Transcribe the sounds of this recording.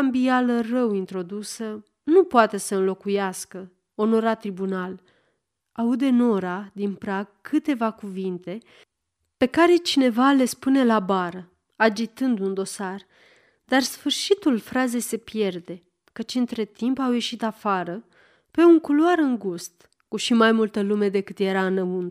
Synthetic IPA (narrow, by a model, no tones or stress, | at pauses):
ambialərəwint̪ɾo̞d̪usə | nupoat̪e̞səɨnlo̞kujaskə | o̞no̞ɾat̪ːɾibunal | aud̪e̞no̞ɾad̪inpɾaɡ̚kʰɨt̪e̞vakuvint̪e̞ | pe̞kaɾe̞t͡ʃine̞vale̞spune̞labaɾə | ad͡ʒit̪ɨnd̪und̪o̞sar | d̪arsfɨrʃit̪ulfɾaze̞se̞pje̞rd̪e̞ | kət͡ʃɨnt̪ɾe̞t̪impawje̞ʃit̪afaɾə | pe̞uŋkuluaɾɨŋɡust̪ | kuʃimajmult̪əlume̞d̪e̞kɨt̪je̞ɾaɨnəunt̪